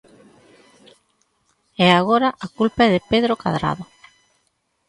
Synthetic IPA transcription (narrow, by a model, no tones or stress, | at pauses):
ɛaɣ̞oɾaʔakulpaɛðɪpeðɾoka̰ðɾa̰ðo